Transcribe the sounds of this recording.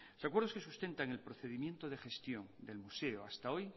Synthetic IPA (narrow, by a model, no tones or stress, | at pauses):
losakwe̞ɾð̞o̞ske̞sust̪e̞nt̪aŋe̞lpɾo̞θe̞ðimjent̪oð̞e̞xe̞st̪jo̞nd̪e̞lmuse̞oast̪ao̞j